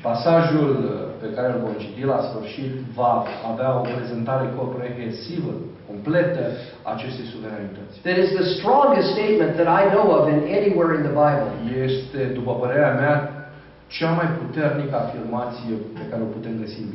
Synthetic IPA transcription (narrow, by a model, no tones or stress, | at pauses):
pasaʒulpe̞kaɾelvomt͡ʃit̪ilasfɨrʃit̪vaːveaopɾe̞ze̞nt̪aɾe̞kopɾeɦensivə̰ko̞mple̞t̪ə | a̰ːt͡ʃe̞st̪e̞jsuve̞ɾanit̪ət̪sʲðɛɾɪzðəst̪ɾɔ̃ŋɡəst̪st̪eɪt̪̚mə̃nt̪ðɛɾajnowʌvɛ̃neniweɹɪ̃nðəbajbəljest̪e̞d̪upəpəɾe̞ɾeamea | t͡ʃamajput̪e̞rnikəafirmat̪sijepe̞kaɾeo̞put̪e̞mɡəsibi